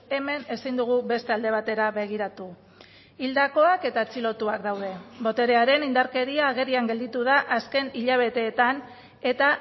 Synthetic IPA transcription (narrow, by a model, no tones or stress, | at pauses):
e̞me̞ne̞sind̪uɣ̞uβe̞st̪e̞ald̪e̞β̞at̪e̞ɾaβe̞ɣ̞iɾat̪u | ild̪ako̞ake̞t̪at͡silo̞t̪uakd̪awð̞e̞bo̞t̪e̞ɾe̞aɾe̞nind̪aɾke̞ɾiaːɣ̞e̞ɾiaŋɡe̞ld̪it̪uð̞aʔaske̞niʎaβ̞e̞t̪e̞ːt̪an | e̞t̪a